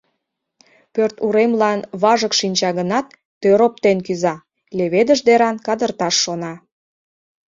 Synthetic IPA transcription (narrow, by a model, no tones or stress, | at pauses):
pørt̪uɾemlɑnβɑʒəkʃinʲt͡ɕɑɣənɑt̪ːøɾop̚t̪enkyzɑ | leβed̪əʒd̪eɾɑnkɑd̪ərt̪ɑʃːonɑ